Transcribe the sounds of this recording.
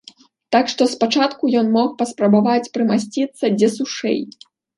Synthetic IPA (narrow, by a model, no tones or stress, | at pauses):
t̪akʂt̪ɔspat͡ʂat̪kujɔnmɔxpɐspɾɐbavat͡sʲpɾɨmasʲt͡sʲit̪sːɐd͡zʲɛsuʂɛ̰j